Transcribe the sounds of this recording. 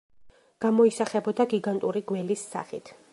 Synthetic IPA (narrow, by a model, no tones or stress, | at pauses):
ɡ̥amɔisaχɛbɔd̪aɡiɡant̪ʼuɾiɡwɛlisːa̰χit̪ʰ